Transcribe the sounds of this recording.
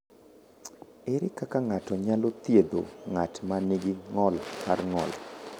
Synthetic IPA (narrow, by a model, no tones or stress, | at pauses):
eɾɪkakaŋatɔɲalot̪jed̪o̰ŋatmaniɡɪŋɔlarŋɔ̰l